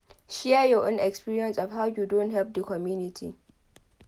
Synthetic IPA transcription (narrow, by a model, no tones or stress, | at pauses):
ʃiɛjɔʔõnʔɛkspiːɹiɛ̃nsɔfhawjudonthɛlp̚dəkɔmjunɪtʰḭ